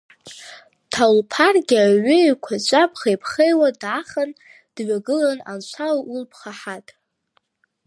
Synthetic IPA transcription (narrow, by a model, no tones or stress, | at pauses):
tʰalpʰarɡʲaɥʏkʷʰat͡ʃʷʼapʰʼχejpʰχejwadaχan | d̥ɥaɡɨlana̰nt͡ʃʷʰalulpʰχaħatʼ